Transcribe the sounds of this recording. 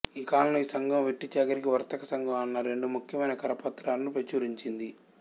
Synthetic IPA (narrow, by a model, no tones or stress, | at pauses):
iːkaːlɐnuiːsɐŋɡɐmʋeʈːit͡ʃaːɡɐɾikiʋɐɾt̪ɐkɐsɐŋɡɐmɐnːɐɾe̞ɳɖumukʰjɐmɐjnɐkɐɾɐpɐt̪ːɾaːnnupet͡ʃuːɾiɲt͡ʃind̪i